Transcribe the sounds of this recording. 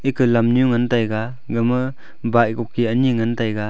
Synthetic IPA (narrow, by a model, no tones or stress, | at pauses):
ekɯlamnjuŋantajɡa | ɡɯmɯ | baʔjkɔkʰːianiŋantajɡa